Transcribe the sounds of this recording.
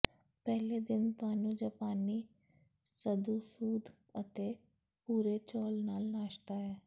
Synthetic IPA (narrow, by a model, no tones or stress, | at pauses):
pɛːleːd̪ɪnt̪aːnũːd͡ʒaːpaːniː | səd̪uːsuːd̪ | ət̪eː | puːɾeːt͡ʃɔːlnaːlnaːʃt̪aːɦɛː